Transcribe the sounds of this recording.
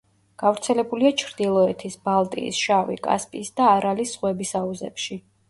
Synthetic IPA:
ɡ̥avɾt̪sʰɛlɛbuliat͡ʃʰɾd̪ilˠɔɛt̪ʰisbalˠt̪ʼḭːsʃavḭkʼa̰spʼisd̪aːɾalisχwɛbisauzɛ̰pʃi

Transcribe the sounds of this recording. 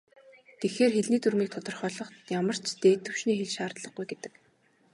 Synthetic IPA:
t̪exeːrxeɮniːt̪uɾmiːk̚t̪ʰɔt̪ɞ̆rχœːɮɞ̆χt̪jamə̆r̥t͡ɕt̪eːt̪ɘ̆wʃniːxeɮʃaːrt̪ɮə̆χɡujɡet̪ɘ̆k

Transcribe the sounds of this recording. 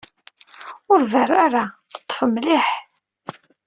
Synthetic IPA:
ʊɾværaɾaθət̪ˤːə̥fəmlɪħ

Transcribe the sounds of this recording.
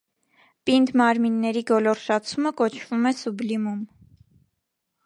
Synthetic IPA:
pind̪mɑɾminːɛɾiɡɔlɔɾʃɑt͡sʰuməkɔt͡ʃʰv̥umɛsublimum

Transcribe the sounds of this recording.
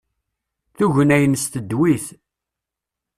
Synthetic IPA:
θuʝənæjənst̪əd̪wiθ

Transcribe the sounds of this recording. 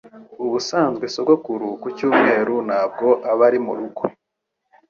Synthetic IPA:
uβusaːnzɡweso̞ɡokuɾukucuːmŋe̞ːɾunaːb̚ɡo̞ʔaβaɾimṵɾuɡo

